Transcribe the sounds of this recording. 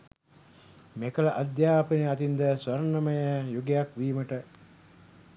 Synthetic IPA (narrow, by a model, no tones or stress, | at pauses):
mekələʔad̪jaːpəniat̪ind̪əsʋɐɾənɐməjəjuɡejakʋiːməʈə